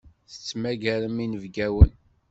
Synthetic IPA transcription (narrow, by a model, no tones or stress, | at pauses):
θə̥t͡sːmæɡæɾəminəvɡæwən